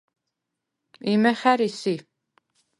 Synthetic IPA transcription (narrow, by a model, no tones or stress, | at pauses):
imɐχæɾisi